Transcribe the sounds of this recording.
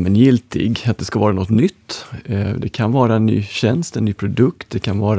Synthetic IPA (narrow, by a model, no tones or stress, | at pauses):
mɛnjɪlt̪ʰɪ̰ɡat̪̚d̪ɛskavɑːɾanɔt̪nʏt̪ːd̪ɛkʰanvɑːɾaɛnːy̰ːɕɛnst̪ɛnnːyːpʰɾʊd̪ɵk̚t̪̚d̪ɛkʰanvɑːɾ